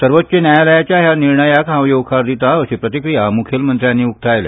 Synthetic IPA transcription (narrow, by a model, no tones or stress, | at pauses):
səɾʋət̪ːt͡ɕenjajaləjat͡ɕjaɦjaniɾɳəjakɦãʋjoʋkʰaɾd̪it̪aəɕepɾət̪ikɾijamukʰjəlmənt̪ɾjãnːiːuk̚t̪ʰajle